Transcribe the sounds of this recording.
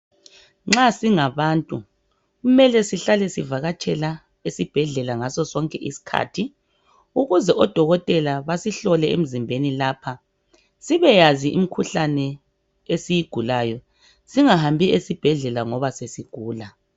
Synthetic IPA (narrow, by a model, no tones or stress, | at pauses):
ŋ͡ǁasiŋaβaːntʼu | ɣumɛlɛsiɬalɛsivaɣat͡ʃʰɛla | esib̥ʱɛɮɛlaŋasɔsɔŋkʼɛʔisi̥kʰa̰ːtʰi | uɣuzɛʔɔd̥ʱɔɣɔtʼɛlaβasiɬɔlɛḛm̩zimbʱenilaːpʰa | siβɛjaziʔḭm̩kʰuɬanɛ | esijiɡ̥ʱulaːjɔ | siŋaɦambʱiesib̥ʱɛɮɛlaŋɔβasesiɡ̥ʱuːla